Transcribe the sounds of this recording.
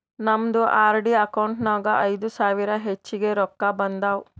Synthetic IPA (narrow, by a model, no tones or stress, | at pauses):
nɐmd̪uʔaːɾɖiɐkɐwɳʈnaːɡɐʔɐjd̪usaːʋiɾɐɦet͡ʃːiɡeɾɔkːabɐnd̪aːw